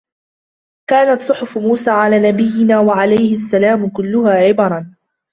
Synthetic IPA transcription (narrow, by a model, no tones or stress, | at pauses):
kaːnat̪sˤʊħʊfmuːsaːʕalaːnabɪjːɪnaːwaʕalajhɪasːalaːmʊkʊlːʊhaːʕɪbɑɾˤɑn